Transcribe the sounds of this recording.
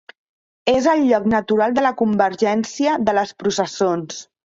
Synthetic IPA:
ezəlˠʎɔknət̪uɾalˠd̪ələkumbəɾʒɛnsiəðələspɾusəsons

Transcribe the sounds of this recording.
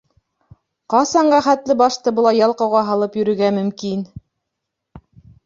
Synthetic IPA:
qɑsɑɴɢæχæt̪lɘbɑʃt̪ɤbɤ̆lˠɑjːɑlˠqɑwʁɑɦɑlˠɤpjɵ̆ɾɵ̆ɡæmɵ̆mkin

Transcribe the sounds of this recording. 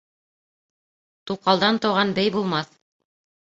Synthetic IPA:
t̪uqɑlˠd̪ɑnt̪ɤ̆wʁɑnbɘjbulˠmɑθ

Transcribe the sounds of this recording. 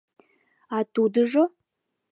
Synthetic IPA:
at̪ud̪ɨʒo

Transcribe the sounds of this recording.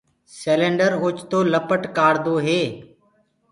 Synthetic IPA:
seːlẽːɳɖəɾʊt͡ʃt̪oːləpəʈkaːɽd̪oːɦeː

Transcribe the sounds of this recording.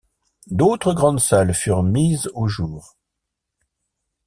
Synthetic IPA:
d̪ot̪χəɡʁɑ̃d̪salfyʁmizoʒuːʁ

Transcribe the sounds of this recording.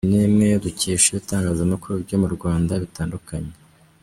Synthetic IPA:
nimŋe̞duciːʃiβitaːŋɡaːzamakuɾubɟo̞muɾɡwaːndaβitaːndukʰaɲe

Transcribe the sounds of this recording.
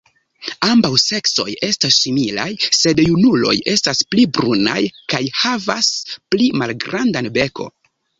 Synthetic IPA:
ambawse̞kso̞̰je̞stasːimila̰jse̞djunulo̞̰je̞stasplibɾuna̰jkajhavasplimalɡɾandanbe̞kʰo̞̰

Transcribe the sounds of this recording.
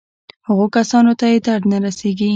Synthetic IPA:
həɣokasɑnot̪ajet̪aɽnaɾaseɡi

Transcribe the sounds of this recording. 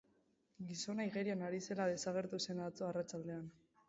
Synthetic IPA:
ɡiso̞naiɣeɾianaɾise̞laðe̞saɣ̞e̞ɾt̪use̞nt͡soarat͡ʃald̪e̞an

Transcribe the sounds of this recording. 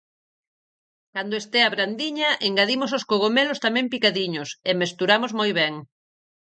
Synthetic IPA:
kand̪oʊest̪eaβɾand̪iɲɐʔeŋɡaðimososkoɣomelost̪amɛ̃mpikaðiɲosemest̪uɾamozmojβ̞ɛŋ

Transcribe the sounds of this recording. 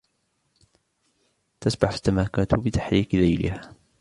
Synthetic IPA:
t̪asbaħasːamaːkaːt̪bɪt̪ḁħɾiːqðajlɪ̰haː

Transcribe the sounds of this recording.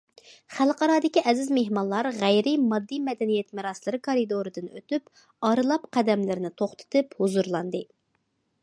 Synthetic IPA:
χælˠqʰɑɾɑːd̪ɪkʲiʔɛzɪzmeɦmɑnlˠɑɾʁæjɾɪmɑd̪ːimɛd̪ɛnijɛt̪mɨɾɑslˠɨɾɨkʰoɾid̪oɾɨd̪ɨnø̰t̪yp | ɑɾɨlˠɑpqʰɛd̪ɛmlɪɾɪnɪt̪ʰoχt̪ʰɨ̥t̪ʰɨphuzuɾlˠɑnd̪ɨ

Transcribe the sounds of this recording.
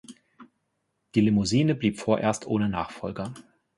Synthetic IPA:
d̥iːlemoziːnəbliːpfoːɐʔḛːɐstʰʔoːnəna̰ːχfɔlɡɐ

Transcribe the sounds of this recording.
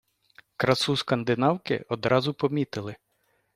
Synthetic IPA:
kɾɐsuskɐnd̪ɪnɑwkɪ̰ɔd̪ɾɑzʊpɔmʲit̪ɪlˠɪ

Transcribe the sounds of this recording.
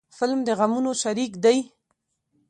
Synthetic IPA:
fɪlmd̪əɣamunoʃaɾikd̪aj

